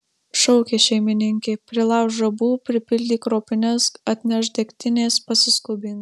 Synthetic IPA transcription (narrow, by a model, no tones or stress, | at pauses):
ʃɔʊkʲeːʃʲɛɪmʲɪnʲɪŋʲkʲeːpʲɾʲɪlˠɑˑʊʒɐbuːpʲɾʲɪpʲɪlʲd̪ʲiːkɾoːpʲɪnʲɛsɐt̪ʲnʲɛʃd̪ʲɛkʲt̪ʲɪnʲeːspɐsʲɪskʊbʲiːn